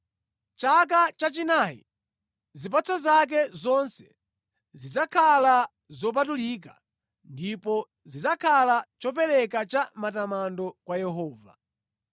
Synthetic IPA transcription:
t͡ʃak̬at͡ʃat͡ʃinajḭ | zip̬at͡sʰɔzak̬ɛzɔnsɛ̥ | zizakʰala | zɔp̬atulik̬a̰ | ndipɔ | zizakʰalat͡ʃɔp̬ɛɾɛkat͡ʃamatamandɔkwajɛɦɔːva̰

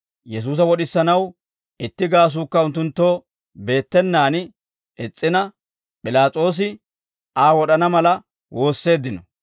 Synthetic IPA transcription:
jɛs̬uːs̬ɐwɔɗɪsːɐnɐw | ɪt̪ːɪɡaːs̬uːkːɐʊnt̪̬ːʊnt̪ːo̞ː | be̞ːt̪ːɛnːaːn | ʔɛt͡sʼːɪnɐ | pʼɪlaːt͡sʼo̞ːs̬ɪ | aːwɔɗɐnɐmɐlɐ | wʔo̞ːsːe̞ːd̪ːɪnɔ

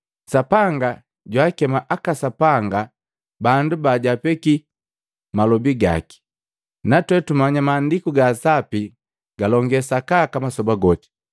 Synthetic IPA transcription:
sapaŋɡa | ɟwaːkɛmaʔakasapaŋɡa | bandubaɟapɛki | malɔbiɡa̰ki̥ | natwɛtumaɲamaːndikuɡasapi | ɡ̥alɔŋɡɛsakakamasɔbaɡɔti̥

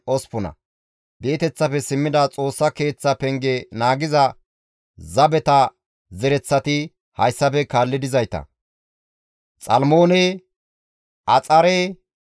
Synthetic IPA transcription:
ɔspʊnɐ̰ | be̞ːt̪ɛt͡sːɐpɛsɪmːɪd̪ɐt͡sʼo̞ːsːɐke̞ːt͡sːɐpɛŋɡɛnaːɡɪzɐ | zɐbɛt̪ɐ | zɛɾɛt͡sːɐt̪ɪ | hɐjsːɐpɛkaːlːɪd̪ɪzɐjt̪ɐ̰ | t͡sʼɐlmo̞ːnɛ | ʔɐt͡sʼɐɾɛ

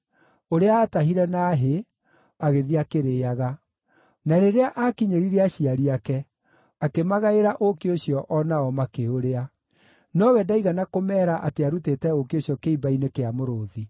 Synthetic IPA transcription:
oɾeaːtaɦiɾɛnaːɦe | aɣeðiakeɾeːaɣa | naɾeɾeaʔakiɲeɾiɾeaɕiaɾiakɛ | akemaɣaeɾaʔokeoɕjɔʔɔnaɔmakeoɾea | nɔwɛdaiɣanakomɛːɾaʔateaɾutetɛokioɕijɔkeibainekeamoɾoːði

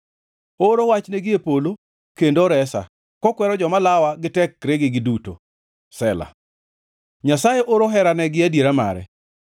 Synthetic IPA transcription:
oɾowat͡ʃneɡɪepolo | kendoɾɛsa̰ | kɔkwɛɾɔd͡ʒɔmalawaɡɪtɛkɾeɡɪɡɪduto̰ | sɛla̰ | ɲasajeʔoɾoɦɛɾanɛɡɪadjeɾama̰ɾɛ̰

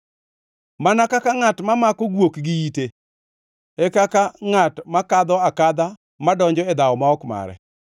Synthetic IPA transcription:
manakakaŋatmamakɔɡwokɡɪjite | ɛkakaŋatmakad̪ɔakad̪a | madɔɲd͡ʒɔɛd̪aɔmaɔkma̰ɾɛ̰

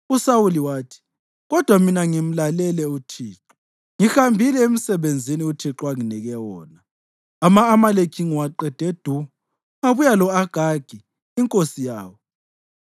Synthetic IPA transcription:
usawuliwaːtʰi̥ | ɣɔd̥ʱwaminaŋim̩lalɛlɛutʰiːǁu | ŋihambʱilɛemisɛβend͡zʱiniutʰiǁwaŋinɛɣɛwɔːna | amaːmalekʰiŋwaǃɛd̥ʱed̥ʱu | ŋaβujalɔaɡ̥ʱaɡ̥ʱi | iŋkʼosija̰ːwɔ

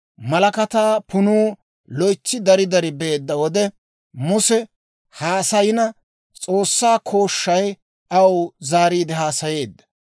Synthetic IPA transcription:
mɐlɐkɐt̪aːpʊnuː | lɔjt͡ʃːɪd̪ɐɾɪd̪ɐɾɪbeːd̪ːɐwɔd̪ɛ | mʊsɛ | haːsɐjɪnɐ | t͡sʼo̞ːsːaːkʰo̞ːʃːɐj | ʔɐwzaːɾiːd̪ɪɦaːsɐje̞ːd̪ːɐ̥

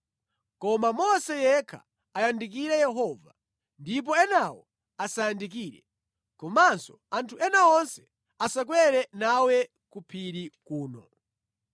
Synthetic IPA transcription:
kɔmamɔsɛjɛkʰa̰ | ajandik̬iɾɛjɛɦɔva | ndip̬ɔɛnawɔ | asajandik̬iːɾɛ̰ | kɔmansɔ | antʰuʔɛnawɔnsɛ̥ | asak̬wɛɾɛnawɛ | kupʰiɾikuːnɔ̰

